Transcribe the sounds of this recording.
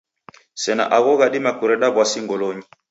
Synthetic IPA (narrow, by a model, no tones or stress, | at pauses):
sɛna̰ʔaɣɔɣaɗimakuɾɛɗaβwasiŋɡɔlɔɲi